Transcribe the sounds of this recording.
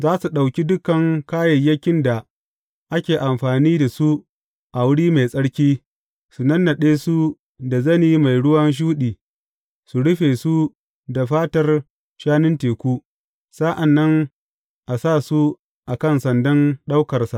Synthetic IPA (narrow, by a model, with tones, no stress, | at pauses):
zaː˦su˨ɗa˨wkʲi˦dʊ˦kɐ˨ŋkaː˦jɐ˨jːɐ˦kʲɪ˦nda˨ | ʔa˦kʲeː˨ʔa˨mɸaː˨niː˦da˨su˦ | ʔa˨wʊ˦ɽiː˦ma˨jsʼɐ˦ɽkʲiː˦ | su˨nɐ˦nːɐ˨ɗeː˦su˦ | da˨zɐ˦niː˦ma˨jɽʊ˦wɐ˦nʃ̬uː˦ɗiː˨ | su˨ɽʊ˦ɸeː˨su˦ | da˨ɸaː˦tɐ˨r | ʃaː˦nɪ˦nteː˨kʷu˦ | sa˦ʔa˨nːɐ˦ŋ | ʔa˨saː˦˨su˦ | ʔa˨kɐ˦˨nsɐ˨ndɐ˦nɗa˦wkɐ˨rsa˨ʔ